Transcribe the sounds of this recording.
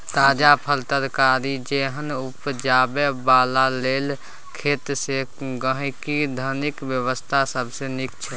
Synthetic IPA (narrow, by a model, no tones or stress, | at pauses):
t̪ad͡ʒapʰəlt̪əɾkaɾid͡ʒeɦənupd͡ʒabebalalel | kʰet̪seɡəɦikid̪ʱənikʋjəβəst̪ʰasəbʱsenikt͡ʃʰɛ